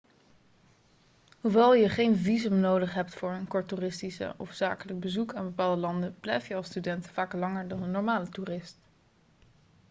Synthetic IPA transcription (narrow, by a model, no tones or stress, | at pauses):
ɦuʋɛlˠjəχejnvizəmnowdəχɦɛptfʊːɹənkɔɹturɪstisə̰ɔ̰fz̥a̰ːkələɡ̚bəzukaːnbəpaːlˠdəlɑndəblɛjfjəɑlˠstydɛntfaːklɑŋəɹdɑnənːɔɹmaːlətuːrɪst